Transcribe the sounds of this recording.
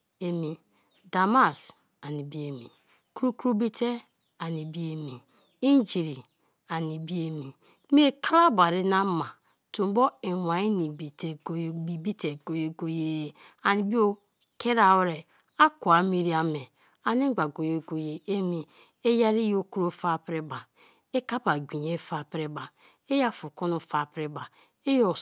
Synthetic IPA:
e˨mi˨ | da˨ma˦˨s | a˨ni˨bi˦e˨mḭ˨ | ku˦ɾu˦kɾu˦bi˦te˦ | a˨ni˨bi˦e˨mi˨ | i˦n˦d͡ʒi˨ɾi˨ | a˨ni˨bi˦e˨mi˨˦ | m˦e˦ka˦la˦ba˨ɾi˦na˦ma˨ | tu˨m˦bo˦e˨wa˨i˦ni˨bi˨te˨ɡbi˨bi˦te˨ɡo˨je˨ɡo˨je˦˨ | a˨ni˨bi˦o˦ | ke˦ɾa˨wɾe˨ | a˦ku˨a˨mi˨ɾi˦a˨me˨ | a˨ni˦ɡ͡ba˨ɡo˨je˨ɡo˨je˨e˦mi˨ | e˦ja˦ɾi˦jo˦ku˦ɾo˦fa˦pɾe˦ba˨ | e˦ka˦pa˨ɡʷi˨ɲe˦fa˨pɾe˦ba˨ | e˦ja˦fu˨ko˦nu˨fa˨pɾe˦ba˨ | e˦jo˨

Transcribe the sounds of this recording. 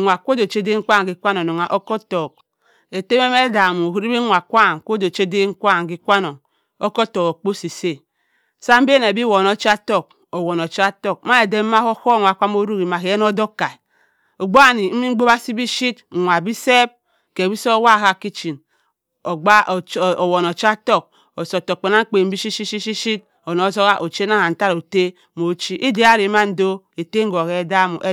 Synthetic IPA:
ŋʷ˨a˨kʷo˦do˨t͡ʃe˦de˦ŋ̩˦kʷa˦˨ŋ˨ɡi˦kʷa˦no˨no˨ŋa˨ʔo˦ko˦to˨k̚ | e˨te˦me˦me˦da˨mu˨hi˦ɾi˦bi˦ŋʷa˨kʷa˦˨ŋ˨kʷo˦do˨t͡ʃe˦de˦ŋ̩˦kʷa˦˨ŋ˨ɡi˦kʷa˦no˨ŋ | o˦ko˦to˨ko˨k͡po˦si˨se˦˨ | sa˦m̩˦be˦ne˨bi˦wo˨no˦t͡ʃi˦a˦to˦˨k̚ | o˨wo˨no˨t͡ʃa˦to˦˨k̚ma˦e˨de˦m˦ma˦ho˦ho˦˨ŋʷ˨a˨kʷa˦m˦o˦ɾu˦ki˨ma˨ke˨je˦n˦o˦do˦ka˨i˨ | o˨ɡ͡bo˦˨ni˨m̩˦mi˦ŋ͡m̩˦ɡ͡bo˦ba˦si˦bi˦ʃi˦tŋʷa˨bi˦se˦b̚ | ke˨bi˦so˦wa˦˨ka˨ki˦t͡ʃi˨n | o˨ɡ͡ba˦˨o˨wo˨no˨t͡ʃa˦to˦˨k̚ | o˨so˨to˨k͡pe˨na˦ŋ̩˦k͡pe˨m̩˦bi˦ʃi˦ʃi˦ʃi˦ʃi˦ʃi˦t̚ | o˨no˨˦zo˦ɣa˦ʔo˨t͡ʃe˦na˦ha˨n̩˨ta˦ɾo˨te˦ | mo˨˦t͡ʃi˦ʔi˦de˨a˦ɾi˨˦ma˦n̩˦do˦e˨te˦ŋ̩˦ɡo˨ke˦da˦mṵ˨ʔe˦

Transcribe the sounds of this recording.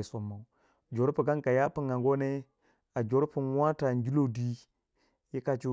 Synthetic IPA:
so˨mːa˨˦ | d͡ʒo˨ɾu˦pi˨ka˦ŋka˨ja˦pi˦ŋɡa˨ŋɡo˦ne˦ | a˨d͡ʒo˨ɾpu˨nwa˦ta˨nd͡ʒu˦lo˦di˦ | ji˦ka˨t͡ʃi˦

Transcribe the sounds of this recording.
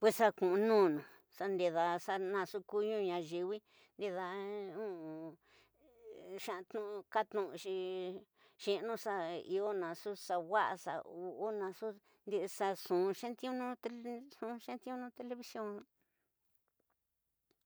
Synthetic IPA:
pwe˧ssa˦kũ˨ʔũ˧nũː˦˨nũ˨ | sa˧nd̪e˧ða˧sa˧nã˧˨su˦ku˦˧ɲũ˦˧ɲã˧ʒi˧wi˦ | nd̪e˧ða˧ũ˦˧˨ | ʃã˧t̪ũ˧ka˦t̪nũ˧˨ʔʃi˧ | ʃĩ˦˧nũ˧sa˧i˧o˦nã˧su˦sa˧wa˦ʔa̰˧sa̰˧u˧ʔo˦nã˧su˦ | nd̪i˧ʔsa˧sũ˨˧ʃẽ˦nt̪i˦ũ˦nũ˦t̪e˧sũ˧ʃẽ˦nt̪i˦ũ˦nũ˦t̪e˧le˧βi˧sjõ˦n˧

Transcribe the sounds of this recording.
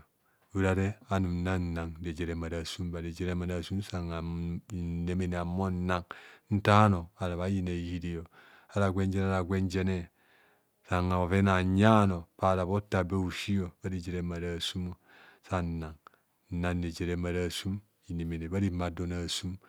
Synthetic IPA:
u˨ɾa˨ɾe˦a˨nu˨m˨na˦n˨na˨ŋ˦de˨d͡ʒe˨ɾe˨ma˨ɾa˨su˦mba˨de˨d͡ʒe˨ɾe˦ma˨na˨su˦m˦sa˨ŋa˨i˨ne˨me˨ne˨a˨mo˦n˦na˨ŋn̩˦ta˦no˨a˨ɾa˨βa˦ji˨ne˨hi˦di˦˨jo˨ | a˨ɾa˨ɡʷe˦n˦d͡ʒe˦n˦a˦ɾa˨ɡʷe˦nd͡ʒe˦ne˦ | sa˨ŋa˨o˨ve˦na˨ɲa˦no˨pa˨ɾa˨βo˦ta˨be˦u˨ʃi˦jo˨ba˦ɾi˨d͡ʒe˨ɾe˦ma˨ɾa˨su˦mo˦ | sa˦˨na˨ŋ̩˦˨ | na˨n˦de˨d͡ʒe˨ɾe˦ma˨ɾa˨su˦m | i˨ne˨me˨ne˨ba˦ɾi˦ma˨do˦na˨su˦m

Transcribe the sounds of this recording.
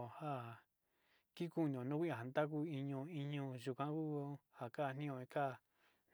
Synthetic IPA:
ha˦ | ki˦ku˦nĩ˨õ˨nũ˦kʷĩ˦ã˨ɦa˨nd̪a˦k̬u˧i˧ɲõ˧i˧ɲũ˧ʒu˧kʷã˧˦ku˦ha˨ka˦˧n̥ĩ˦˧õ˧ĩ˧ka˦˨ | n

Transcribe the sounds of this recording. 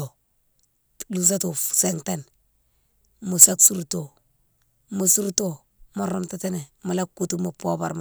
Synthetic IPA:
o˨ | lus̬a˦tu˨fseŋten | mu˨sa˦ksu˦ɾto˨ | mu˦su˦ɾto˨ | moɾomtate˦ne˨mu˨la˦kːu˦tu˦mu˨po˦ba˨ɾm

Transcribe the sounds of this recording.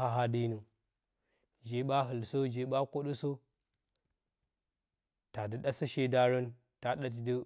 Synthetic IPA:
a˨ɦa˦di˦nu˨ | d͡ʒe˨ɓa˦ɦə˨lso˦d͡ʒe˨ɓa˦ko˦ɗu˦so˦ | ta˨də˦ɗa˦sə˦ʃe˦da˦ɾə˦n | ta˨ɗa˦tdə˦

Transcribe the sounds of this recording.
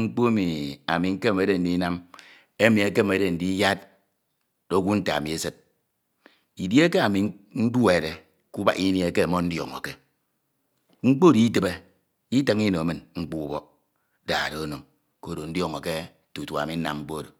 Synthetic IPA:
ŋ͡m̩˦k͡po˦e˦mi˨a̰˨mi˨ŋ̩˦ke˦˨me˦de˨n̩˨di˦na˦m | e˦mi˨e˦ke˦˨m˨e˨˦de˨n̩˨di˦ja˦t̚ | d̥o˦ɡʷu˦n̩˦ta̰˨mi˨e˦se˦t̚ | i˨dje˦ke˦a˨mi˨n̩˦du˦e˨de˨ | ku˦ba˦i˦ni˨e˦ke˦˨mɔ˦n̩˦djɔ̰˨ŋo̰˨ke˦ | ŋ͡m̩˦k͡po˦di˨˦i˦tɨ˨be˦ | i˦te˦ŋi˦no˨˦mɨ˨nŋ͡m̩˦k͡pu˦u˦bɔ˦ | da̰ː˨ɾo˨o˦no˨ŋ | ko˦˨ɾo˨n̩˦djɔ˦ŋo˨ke˦ | tu˨tu˨a̰˨mi˨n̩˦na̰˦mŋ͡m̩˦k͡po˦˨do˨

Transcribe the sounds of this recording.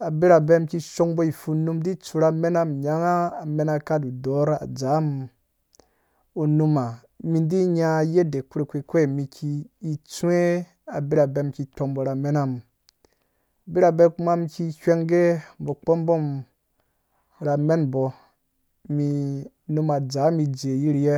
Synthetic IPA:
a˨bi˦ɾa˨be˦mki˧ʃo˧ŋbo˦i˨fu˧nu˧mdi˦t͡su˧ɾa˧me˦na˦mɲa˨˦ŋaː˦˨me˨˦na˧ka˦du˨do˨˦ɾa̰˨d͡za˨˦m | u˧nu˧ma˨ | mi˧ndi˦ɲa˧je˦de˨ku˦ɾe˨kʷe˧kʷe˦˨mi˧kʰiː˧t͡su˦e˦ | a˨bi˦ɾa˨be˧mki˧to˧mbɔ˨ɾa˨me˦na˦m˨ | bi˦ɾa˨be˧˦ku˦ma˦mki˧kʷe˦ŋɡe˦bo˨k͡pɔ˦mbo˦m | ɾa˧me˦nbɔ˧ | mi˧ | nu˧ma˨d͡za˨˦mi˧d͡ʒe˨ji˦ɾje˦

